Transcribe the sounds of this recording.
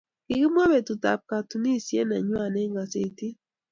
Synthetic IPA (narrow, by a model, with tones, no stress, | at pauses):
kɪ˨ki˦m˦a˦be˨tu˨ta̰˨p̚ka˨tu˨ni˦˨sjɛ˦na˨ɲwa˦˨nɛ˦ŋa˨se˨ti˦